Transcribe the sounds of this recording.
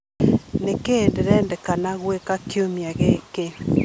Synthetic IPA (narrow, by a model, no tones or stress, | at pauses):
nekendɛɾɛndɛkanaɣwekakjomjaɣeke